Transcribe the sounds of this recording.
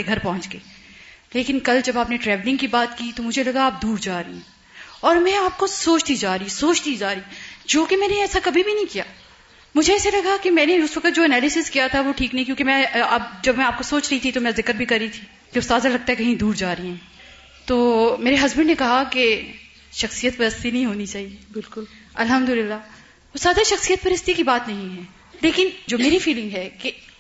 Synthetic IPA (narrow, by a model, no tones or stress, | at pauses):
eɡʱɐɾpɐɦʊ̃t͡ʃɡeːleːkɪnkɐld͡ʒɐbaːpneʈɾɛːʋlɪ̃ŋɡkibaːt̪kit̪omʊd͡ʒʱelɐɡaːp̚d̪uːɾd͡ʒaːɾiɦɛ̃ | ɔːɾmɛ̃aːp̚kosoːt͡ʃd̪id͡ʒaːɾəisoːt͡ʃd̪id͡ʒaːɾid͡ʒoːkemɛ̃ːneɛːsakɐbʱibʱinɐ̃ɦĩkijaː | mʊd͡ʒʱeɛːselɐɡakemɛ̃ːneʊsʋɐkət̪̚d͡ʒoːɛnɛːlɪsɪskijat̪ʰaʋoʈʰiːknɐɦĩkjũːkemɛ̃ɐbd͡ʒɐbmɛ̃aːp̚kosoːt͡ʃɾɐɦit̪ʰit̪omɛ̃ːzɪkəɾbʱikɐɾːit̪ʰiː | keʊst̪aːd̪zalɐɡ̚t̪aɦɛkɐɦĩd̪uːɾd͡ʒaːɾɐiɦɛ̃ː | t̪oːmeːɾeɦɐzbɪnnekɐɦake | ʃɐxsijət̪pɐɾɐst̪inɐɦĩɦoːnit͡ʃaːɦiebɪlkʊl | ɐlɦɐmd̪ʊlɪlːa | ʊst̪aːd̪aʃɐxsijət̪pɐɾɐst̪ikibaːt̪nɐɦĩɦɛː | leːkɪnd͡ʒoːmeːɾifiːlɪ̃ŋɡɦɛːke